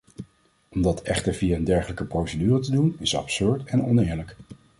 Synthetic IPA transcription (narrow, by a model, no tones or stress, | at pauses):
ɔmdɑtɛχtəɹvijaəndɛɹχələkəprowsədyːrətədunɪsɑ̰psøɹtɛnɔ̰nɪːɹlək